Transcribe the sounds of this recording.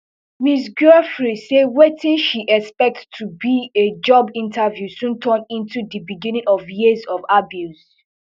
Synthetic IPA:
misɡɛfɹisewetʰĩʃiʔɛkspɛk̚ttʰːubied͡ʒɔbĩntʰavjusũntʰə̃nĩntudibiɡĩnĩŋɔvjizɔvabjus

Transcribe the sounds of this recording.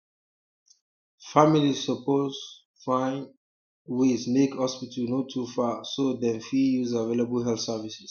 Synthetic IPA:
familizsɔpoz | fãn | wesmekhɔspitʰənotʰufasodɛ̃nfijuzavelabəlɦɛlθsɛvisis

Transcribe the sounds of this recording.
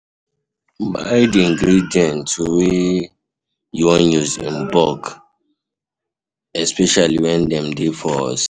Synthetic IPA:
ba̰ɪdiĩŋɡɹidiɔ̃ntʰːuwe | juɔnuzḭ̃nbɔk | ɛspɛʃaliwɛ̃ndɛ̃mdefɔɔ̰s

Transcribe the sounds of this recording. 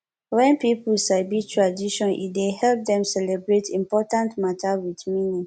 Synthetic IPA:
wɛ̃npipulsaɪbitʰɹadiʃɔ̃nʔḭdehɛlp̚dɛ̃msɛlɛbɹetʰĩmpɔtãntmatʰawiθminĩŋ

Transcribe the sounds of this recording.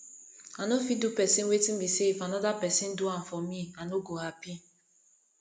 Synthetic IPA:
anofidupɛsĩnwetĩn̩biseifanɔdapɛsĩn̩duãmfɔmianoɡohapi

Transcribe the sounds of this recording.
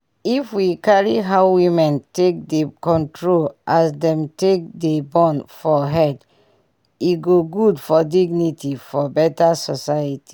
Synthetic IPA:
ifwikaɹiɦaʊwĩmɛ̃ntek̚dekɔ̃ntʰɹolʔasdɛ̃mtek̚debɔ̃nfɔɦɛd | iɡoɡudfɔdiɡnitʰifɔbɛtasɔsajətʰi̥

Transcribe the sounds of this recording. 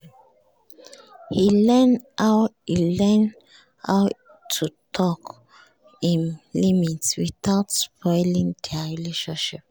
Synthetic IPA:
hilɛnahilɛn | a | tʰːutʰɔk | ĩnlimitswiθaʊtspʰɔɪlĩŋdʰɛaɹileʃɔ̃nʃip̚

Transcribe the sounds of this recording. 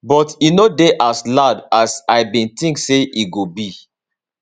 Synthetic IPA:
bɔtinodeʔasladasaɪbĩntĩŋkseiɡobi

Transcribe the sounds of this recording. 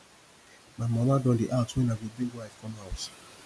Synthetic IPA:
namɔladɔdɪʔatʊenaɡebiɡʷaɪkɔmawt

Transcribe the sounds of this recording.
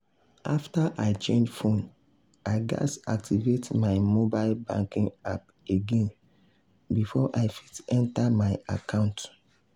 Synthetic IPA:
aftaʔaɪt͡ʃẽnd͡ʒfõn | aɪɡa̰sa̰k̚tivetmaɪmobaɪlbã̰ŋkĩŋap | eɡẽn | bifɔʔaɪfitɛ̃ntamaɪa̰kʰãʊ̃nt

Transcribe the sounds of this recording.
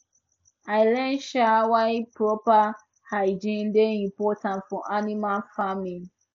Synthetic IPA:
aɪlɛ̃nʃawapɹɔpa | haɪd͡ʒĩndeĩmpɔtãntfɔʔanimalfamĩn

